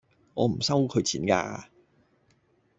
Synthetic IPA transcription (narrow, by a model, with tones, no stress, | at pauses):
ŋɔ̰ː˨˧m̩˨˩sɐ˥wkʰɵ˨˧ɥt͡sʰiː˨˥nka̰ː˧